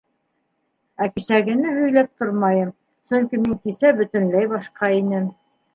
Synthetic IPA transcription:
ækɘ̆sæɡɘ̆nɘɦɵ̆jlæp̚t̪oɾmɑjɤm | sɵ̆ŋkimiŋt̪isæbɵ̆t̪ɘ̆nlæjbɑʃqɑinɘm

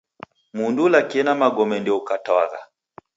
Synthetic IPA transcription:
mundulakiɛnamaɡɔmɛndiukataa̰ɣa̰

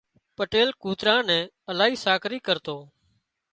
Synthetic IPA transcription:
pəʈeːlkuːt̪ɾãːnɛ̃ː | əlaːɦiːsaːkʰɾiːkəɾt̪oː

